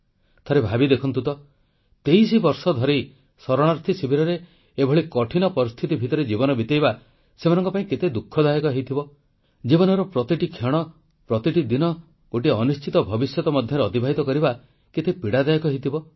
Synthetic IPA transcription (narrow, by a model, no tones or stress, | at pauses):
t̪ʰaɾebʱabid̪ekʰɔnt̪ut̪ɔ | t̪ejsibɔɾsɔd̪ʱɔɾe | sɔɾɔɽ̃aɾt̪ʰisibʱiɾɔɾe | ebʱɔɭikɔʈʰinɔpɔɾist̪ʰit̪ibʱit̪ɔɾed͡ʒibɔnɔbit̪ejβa | semanɔ̃ŋkɔpaĩket̪ed̪ukʰːɔd̪ajɔkɔɦejt̪ʰibɔ | d͡ʒibɔnɔɾɔpɾɔt̪iʈikʰɔɽ̃ɔ | pɾɔt̪iʈid̪inɔ | ɡ̥oʈiɔnust͡ʃit̪ɔbʱɔbisjɔt̪ɔmɔd̪ʱjɔɾeɔt̪ibʱaɦit̪ɔkɔɾiba | ket̪epiɽad̪ajkɔɦejt̪ʰibɔ